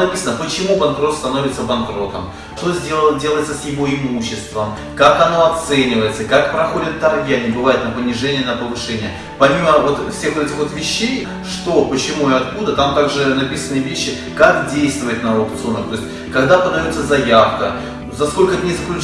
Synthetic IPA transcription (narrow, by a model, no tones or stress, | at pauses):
nɐpʲisənəpət͡ɕɪmubɐnkɾo̞t̪st̪ɐno̞vʲɪt̪səbɐnkɾo̞t̪ə̰m | ʂt̪o̞zʲedʲe̞lˠəjɪt̪səsjɪvo̞ɪmuɕːɪst̪vəm | kakɐno̞ɐt̪sɛnʲɪvəjɪt̪səkakpɾɐxo̞dʲɪt̪ːɐrvʲɪanʲɪbɨvajʊt̪nəpənʲɪʐɛnʲɪənəpəvɨʂɛnʲɪjə | pɐmʲiməvo̞t̪fsʲe̞xvot̪ɛtʲɪxvo̞t̪vʲɪɕːej | ʂt̪o̞pət͡ɕɪmuɪɐt̪̚kud̪ət̪amt̪aɡʐɨnɐpʲisənɨvʲeɕːɪ | kakdʲejst̪vʊjɪt̪nəɐpt̪sɨonəxt̪o̞ɪsʲtʲ | kɐɡd̪apəd̪ɐjot̪səzɐjafkə̰ | zɐsko̞lʲkənʲɪzəklʲʉt͡ɕ